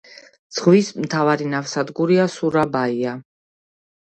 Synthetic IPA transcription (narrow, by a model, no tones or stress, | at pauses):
d̪z̥ʁvismt̪ʰavaɾinafsad̪ɡuɾiasuɾabaia